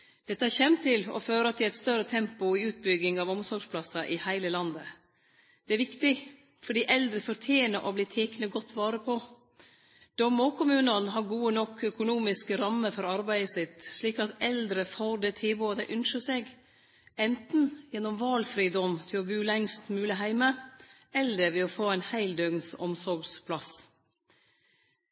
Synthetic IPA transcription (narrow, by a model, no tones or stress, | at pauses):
d̪̥ɛt̪əhæçɛmt̪ʰɪlɔ̰føːɾəɑt̪̚d̪ɛæɾɛt̪st̪œɾət̪ʰɛmpʊɪʉːt̪̚bʏɡɪŋɑːʋɔmsɔʂpʰlɑsɑʔɪhæɪləlɑnd̪ə | d̪̥ɛæɾʋɪkt̪ɪ | fɔɖiːʔɛld̪ɾəfɔɾʈ̪ʰjeːnəɾʔɔbliːt̪ʰeːknəɡɔt̪ːʋɑːɾəpʰɔ | d̪̥ɔmɔkʰʊmʉːnənɦɑɾɡuːənɔkʰːœkʊnuːmɪskəɾɑmːəfɔɾɑɾbæɪəsɪt̪ʂɭiːkɑt̪ɛld̪ɾəfoːɾd̪ɛt̪ʰɪboːɑd̪æɪʔʉnʃəseːɡ | ɛnt̪n̩jɛnːɔmʋɑlfɾiːd̪ɔmt̪ʰɪlɔbʉːlɛŋst̪mʉːlɪɦæɪmə | ɛlːəɾʋɛɔfoːæɪnhæɪld̪øɡnsɔ̰msɔɾɡspʰlɑs